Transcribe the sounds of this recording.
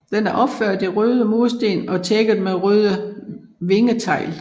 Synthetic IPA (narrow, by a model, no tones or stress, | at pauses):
d̥enæɐʔɒ̽b̥føɐ̰d̥eʁøːð̞ˠəmo̝ːsd̥e̝̰ːnɒ̽t͡sʰeɡ̥ð̩ˠmeʁøːð̞ˠəʋe̝ŋət͡sʰɑ̈ɪ̰l